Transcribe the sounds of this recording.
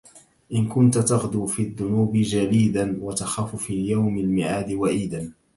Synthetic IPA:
ʔɪnkʊnt̪at̪aɣd̪uːfiːðːʊnuːbɪd͡ʒaliːd̪anwat̪axaːfʊfiːjawmalmɪʕaːd̪ɪwaʔiːd̪an

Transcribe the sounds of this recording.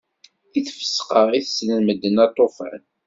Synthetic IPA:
iθfə̥sːqəʁˤiθsnəməd̪ːənɑt̪ˤːofə̰n

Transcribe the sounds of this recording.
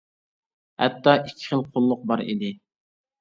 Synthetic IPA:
hɛ̰t̪ːɑʔikʲʰːi̥χəlˠqʰolˠːʊq̚bɑɾḭd̪ɪ

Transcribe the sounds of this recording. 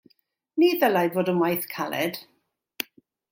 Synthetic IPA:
niːðəlajvoːdəmajθkʰalɛ̰d̥

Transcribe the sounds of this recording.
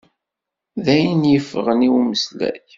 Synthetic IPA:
ðæjənjəfːəʁəniwməslæ̰ç

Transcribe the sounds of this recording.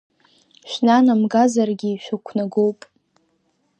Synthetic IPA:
ʃʷᶣnanamɡazarɡʲiiʃᶣakʷʰnaɡowpʼ

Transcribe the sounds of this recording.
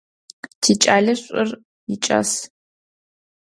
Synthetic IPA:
tʰiːt͡ʃʼaːɮɐɕʷʼʊr | jɪt͡ʃʼa̰s

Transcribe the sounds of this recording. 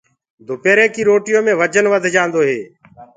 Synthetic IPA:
d̪ʱʊpeːɾeːkiːɾoːʈɪjõːmẽːʋəd͡ʒənʋəd̪ʱd͡ʒãːnd̪oːɦeː

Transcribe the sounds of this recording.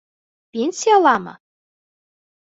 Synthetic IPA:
pʲenʲsʲijɑlˠɑmɤ̰̆

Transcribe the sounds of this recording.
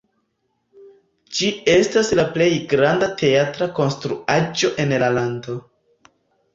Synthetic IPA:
d͡ʒie̞staslaple̞jɡɾandate̞atɾako̞nstɾuad͡ʒo̞ʔe̞nlalando̞

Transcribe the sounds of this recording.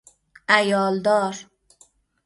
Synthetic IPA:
ajɒld̪ɒɾ

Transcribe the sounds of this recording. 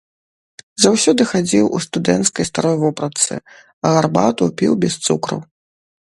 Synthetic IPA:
zawsʲɔd̪ɨxad͡zʲiwʔṵst̪ud̪ɛnt̪skɐjst̪aɾɔjvɔpɾɐt̪sɨ̰ | ɐɣarba̰t̪upʲiwbʲɛst̪sukɾɐ̰w

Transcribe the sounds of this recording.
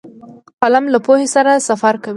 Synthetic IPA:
qalamlapohesaɾasafaɾkawi

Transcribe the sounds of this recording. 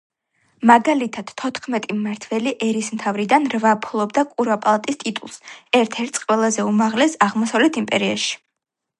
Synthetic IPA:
maɡalit̪ʰad̪̥t̪ʰɔt̪ʰχmɛt̪ʼimaɾt̪ʰvɛliʔɛɾismt̪ʰavɾid̪anɾvapʰlˠɔbd̪akʼuɾapʼalˠat̪ʼist̪ʼit̪ʼṵlˠsɛɾt̪ʰɛɾt̪ʰsqʼwɛlˠazɛumaʁlɛsaʁmɔsavlɛt̪ʰimpʼɛɾia̰ʃi̥

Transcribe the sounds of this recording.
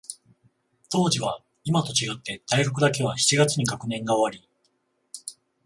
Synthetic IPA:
t̪o̞ːʑiβa | imat̪o̞t͡ɕiɡat̪ːe̞t̪aiɡokɯ̟d̪ak̬e̞β̞açi̥t͡ɕiɡat͡sɨɲ̟ikakɯ̟nẽ̞ŋɡaoβaɾʲi

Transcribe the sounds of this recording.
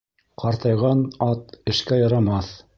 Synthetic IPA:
qɑɾt̪ɑjʁɑnɑt̪ɘ̆ʃkæjɑɾɑmɑθ

